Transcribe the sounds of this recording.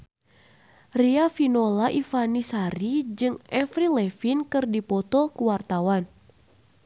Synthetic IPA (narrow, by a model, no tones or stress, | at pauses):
riafinolaʔifanisaɾid͡ʒɨŋɛfɾilɛfinkɨrdipɔt̪ɔkuwart̪awan